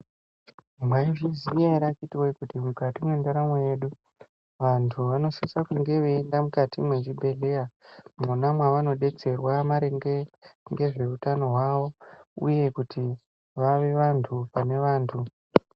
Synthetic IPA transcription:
mwaiʐizieɾakitiwaikutimukatimwe̞ndaɾamwoje̞ɗu | ʋantʰuʋano̞sansakuŋɡe̞ʋeːndamukatimwe̞t͡ʃibʱe̞le̞amunamwaʋano̞ɗe̞t͡se̞rwamaɾeŋɡeŋɡe̞ʐe̞utano̞ɦwaʋo̞ṵje̞kutʰi | ʋaʋeʋantʰupane̞ʋaːntʰu

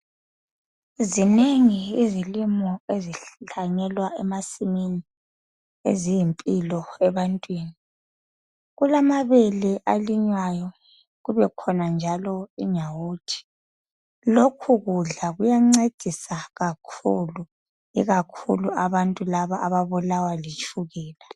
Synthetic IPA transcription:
zineŋiizilimɔeziɬaɲɛlwaɛmasimini | ḛzijimpʼilɔɛβantʼwiːni | ɣulamaβɛlɛʔaliɲwajɔ | ɣuβɛkʰɔnand͡ʒʱalɔiɲawoːtʰi̥ | lokʰuɣuɮaɣujaŋ͡ǀed̥ʱisaɣakʰṵlu | ḭɣakʰṵluʔaβantʼulaβaʔːβaβulawalit͡ʃʰʼuɣɛːla

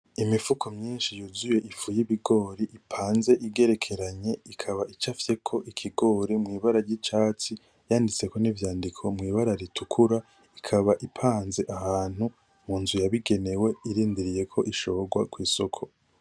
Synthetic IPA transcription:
imifukʰomɲiːnʃijuzuje̞ʔifujiβiɡo̞ːɾiʔipʰaːnze̞ʔiɡe̞ɾe̞kʰe̞ɾaɲe̞ikʰaβaʔit͡ʃafje̞kʰo̞ʔikʰiɡo̞ːɾemŋiːβaɾaɾɟit͡ʃaːt͡si | jaːndit͡se̞ko̞nivjaːndikʰo̞mŋiːβaɾaɾitʰukʰuɾa | ikʰaβaʔipʰaːnze̞ʔahaːn̥hu | muːnzujaβiɡe̞ne̞we̞iɾiːndiɾije̞kʰo̞ʔiʃo̞βɡwakwiːsokʰo̞

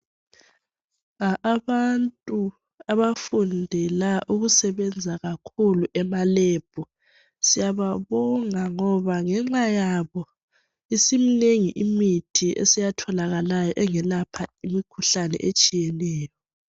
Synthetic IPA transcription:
aʔːβantʼu | aβafundʱɛlaʔuɣusɛβɛnd͡zʱaɣakʰuluʔɛmalɛb̥ʱɔ | sijaβaβɔŋaŋɔβaŋɛŋ͡ǁajaβɔ | isimineŋiʔimitʰiʔḛsijatʰɔlaɣalajɔʔɛŋɛlapʰaimikʰuɬanɛ̰ʔet͡ʃʼijɛnɛːjɔ

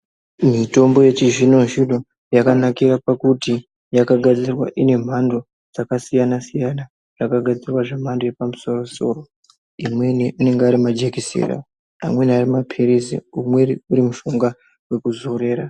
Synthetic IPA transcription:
mito̞mbo̞je̞t͡ʃiʐino̞ʒiɗo̞ | jakanakiɾapakuti | jakaɡʱad͡zirwa̰ʔine̞m̤ando̞ | d͡zakasijanasijana | ʐakaɡʱad͡zirwaʐem̤ando̞je̞pamuso̞ro̞so̞̰ːro̞ | imwe̞niʔane̞ŋɡeaɾimad͡ʒekisḛra̰ | a̰mwe̞niarimapʰiɾizḭumwe̞uɾimuʃoŋɡa | we̞kuzo̞ɾe̞ːɾa

